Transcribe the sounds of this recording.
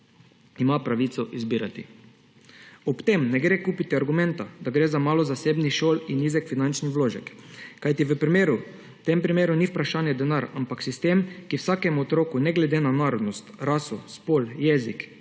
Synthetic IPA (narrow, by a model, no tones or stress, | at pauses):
imapɾaʋit̪sɔʔizbiːɾat̪ḭ | ɔpt̪emnɛɡɾeːkuːpit̪iaɾɡumɛ̃nt̪ad̪aɡɾeːzamaːlɔzaseːbnixʃoːlinizɛkfinant͡ʃnixʋloːʒɛkːajt̪iʋəpɾimeːɾu | t̪empɾimeːɾuniwpɾaʃaːnjɛd̪ɛnaɾampaksist̪emkiwsakɛmɔt̪ɾoːkunɛɡlɛd̪enanaɾɔd̪nɔst̪ɾasuspoljɛzik